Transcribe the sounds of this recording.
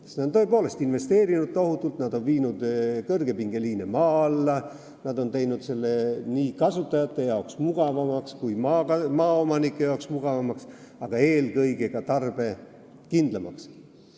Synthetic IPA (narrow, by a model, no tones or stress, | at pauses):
neont̪oepo̞ːle̞st̪inve̞st̪e̞ːɾinud̪̥̚t̪ːo̞ɦut̪ːˑult̪nɑd̪̥o̞nviːnud̪̥kɤrɡ̥e̞piŋɡ̥e̞liːnemɑːɑlːɑ | nɑd̪o̞nt̪e̞jnud̪̥se̞lːe̞niːkɑsut̪ːˑɑjɑt̪ːˑe̞jɑoksmuɡ̥ɑvɑmɑkskujmɑɑmɑːo̞mɑnikːˑejɑoksmuɡ̥ɑvɑmɑksɑɡ̥ɑe̞ːlkɤjɡe̞ɡ̥ɑt̪ɑrb̥e̞ | kind̪̥lɑmɑks